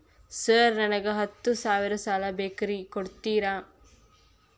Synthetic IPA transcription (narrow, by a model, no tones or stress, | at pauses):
sɐːɾnɐnɐɡɐɦɐt̪ːusaːʋiɾɐsaːlɐbeːkɐɾikoɽt̪iːɾaː